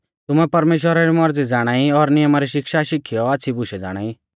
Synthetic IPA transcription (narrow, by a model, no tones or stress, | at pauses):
t̪ʊmɛpɐɾmeːʃwəɾaɾimɔɾd͡zid͡zaːɽ̃aːiɔɾnɪjəmaɾiʃɪkʃaʃɪkʰijɔaːtːt͡ssʰibʊʃɛd͡za̰ːɽ̃a̰ːi